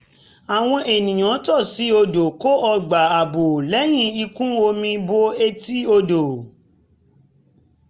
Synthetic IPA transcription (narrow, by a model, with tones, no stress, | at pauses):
a˨w̃ɔ̃˧ʔe˨nĩ˨j̃ã˨˦tɔ˦˨si˨˦o˧do˨ko˦ɔ˧ɡ͡ba˨a˨bo˨lɛ˨˦j̃ĩ˦i˧kũ˦o˧mĩ˧bo˧e˦ti˦o˧do˨